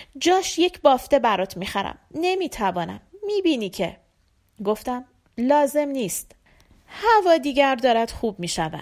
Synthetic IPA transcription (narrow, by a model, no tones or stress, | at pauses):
d͡ʒɒːʃje̞cʰbɒːft̪e̞bæɾɒt̪ʰmiːxæɾæ̰mne̞miːt̪ʰævɒːnæ̰mːiːbiːniːcʰe̞̰ | ɡo̞ft̪æm | lɒːze̞mniːst̪ | hævɒːd̪iːɟæɾd̪ɒːɾæd̪̥xuːbmiːʃævæ̰̥